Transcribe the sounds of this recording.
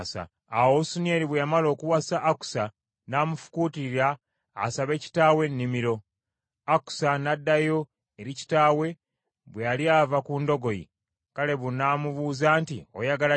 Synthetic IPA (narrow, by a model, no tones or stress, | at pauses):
sa̰ | awosunjeɾiβwejamalo̞ːkuwasaʔːku̥sa | naːmufu̥kuːtiɾiɾaː | saβe̞ːci̥taːwe̞nːimiɾo̞ | aku̥sanadːajo̞ | eɾici̥taːwe̞ | βwealiavakuːndo̞ɡo̞jḭ | kale̞βunaːmuβuːzaːntio̰jaɡala